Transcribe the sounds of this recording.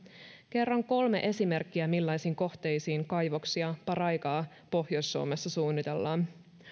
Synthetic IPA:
ke̞rːɑŋko̞lme̞̰ʔe̞sime̞rkːiæmilːɑjsiːŋko̞ht̪e̞jsiːŋkɑjʋoksiɑpɑɾɑjkɑː | po̞hjo̞jsːuo̰mesːɑsuːnːit̪e̞lːɑːn

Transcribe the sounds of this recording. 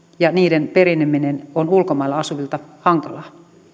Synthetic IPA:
jɑniːdenpeɾinːeminenonulkomɑˑilːˑɑɑsuʋilt̪ɑhɑŋkɑlɑː

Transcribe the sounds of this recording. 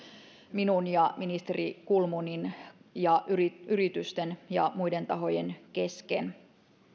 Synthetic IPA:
minunjɑminist̪erikulmuninjɑʔyyɾit̪yst̪enjɑ̰muide̞nt̪ɑɦo̞jenke̞skḛn

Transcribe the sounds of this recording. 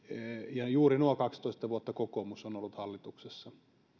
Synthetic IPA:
jɑjuːrinuokɑkst̪oˑist̪ɑʋuot̪ːɑkokomusonolːut̪hɑlːit̪uksesːɑ

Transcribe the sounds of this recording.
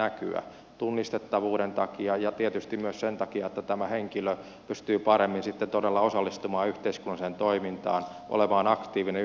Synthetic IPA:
æky̰æ̰ | t̪unːist̪et̪ːɑʋuːɾent̪ɑkiɑjɑt̪iet̪yst̪immyøssent̪ɑkiɑet̪ːæt̪æmæheŋkilø | pyst̪yːpɑɾemːinsit̪ːent̪odelːɑosɑlːist̪umɑːyht̪eiskunːɑisent̪oimint̪ɑ̰ːn | ʔo̰lemɑːnɑkt̪iːʋine

